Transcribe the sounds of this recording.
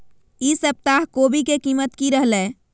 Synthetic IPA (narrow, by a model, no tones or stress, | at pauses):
isəb̚t̪aɦkobikekimət̪kiɾəɦlɛ